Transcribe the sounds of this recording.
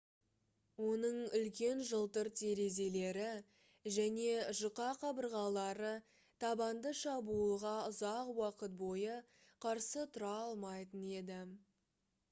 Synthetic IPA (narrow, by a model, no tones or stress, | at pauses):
wo̞nəɴʏlkʲe̞nʒəlˠt̪əɾt̪ʰe̞ɾe̞ze̞le̞ɾɪ | ʒæne̞ʒʊqɑqʰɑbəɾʁɑlˠɑɾə | t̪ʰɑbɑnd̪əʃɑbuəlˠʁɑʊzɑqwɑqət̪̚bo̞jə | qʰɑɾsət̪ʰʊɾɑɑlˠmɑjt̪əne̞d̪ɪ